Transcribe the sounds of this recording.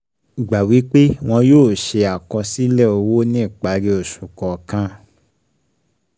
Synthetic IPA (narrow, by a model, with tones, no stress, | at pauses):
ɡ͡ba˨wi˨˦k͡pe˦w̃ɔ̃˧joː˦˨ʃe˧a˨kɔ̃˧si˦lɛ˦˨o˧wo˦nĩ˦˨k͡pa˨˦ɾe˧o˨ʃu˨kɔ˨kã˧